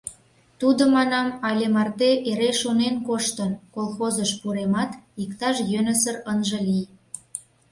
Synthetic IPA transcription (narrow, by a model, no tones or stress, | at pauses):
t̪ud̪ə̆mɑnɑmɑlʲemɑrt̪eʔeɾeʃonenkoʃt̪ə̆nkolˠxozəʃpuɾemɑt̪ikt̪ɑʃjønə̆sərənʒə̆lij